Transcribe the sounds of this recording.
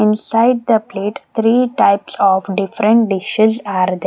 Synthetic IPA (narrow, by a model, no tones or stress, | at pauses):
ɪ̃nsaɪɖ̚d̪əpleːʈt̪ʰɾiːʈaɪpsɔːfɖɪfɾə̃ɳʈ̚ɖɪʃezaːɾd̪e